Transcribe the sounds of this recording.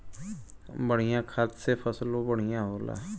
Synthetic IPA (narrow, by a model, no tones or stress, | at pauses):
bəɽ̤ijãkʰat̪sefʰəslõbəɽ̤ijãɦoːla̰ː